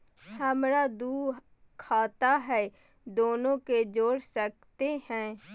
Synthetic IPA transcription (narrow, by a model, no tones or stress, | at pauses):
həmɾaːd̪uː | kʰaːt̪aːɦɛː | d̪oːnõked͡ʒoːɽsək̚t̪eɦɛ̃ː